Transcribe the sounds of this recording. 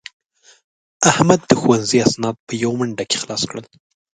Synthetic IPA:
ahmad̪ːəxuwanziasnɑd̪̚pəjawməɳɖake̥xlɑskɽəl

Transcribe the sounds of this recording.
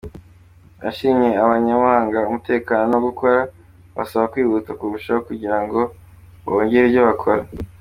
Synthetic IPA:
aʃiːmɲeaβaɲamaːŋɡaumute̞ːkaːnonooɡukʰo̞ɾa | βa̰saβakwiːβutakuβuʃaokuɟiɾaŋɡo̞ | βoɲɡeɾibɟoβakʰoɾa

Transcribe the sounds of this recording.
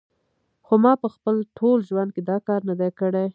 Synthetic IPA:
xomɑpəxpəlʈʰolʒwand̪̚ked̪ɑkɑɾnad̪ekəɽe

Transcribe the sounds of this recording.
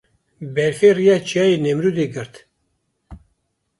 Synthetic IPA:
bɛɾfeːrijat͡ʃʰiaːjenɛmɾud̪eɡɨɾt̪

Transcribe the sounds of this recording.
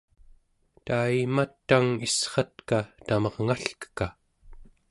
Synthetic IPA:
t̪ajmat̪ːaŋisχɑt̪kat̪amʌʁŋaɬkə̥ka

